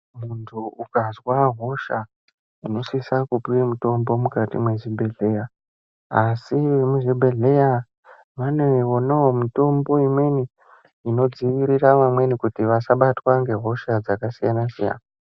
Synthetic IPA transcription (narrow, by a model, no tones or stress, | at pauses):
muntʰuukazwaɦo̞ʃa | uno̞sisakupiemuto̞mbo̞mukatḭmwe̞ʐibʱe̞ɮe̞ja | asiʋemuʐibʱe̞ɮe̞ja | ʋaneiwo̞naɦomito̞mbo̞imwe̞ni | ino̞d͡ziʋiɾiraʋamwe̞nikutiʋasaɓatwaŋɡe̞ɦo̞ʃad͡zakasijanasija̰na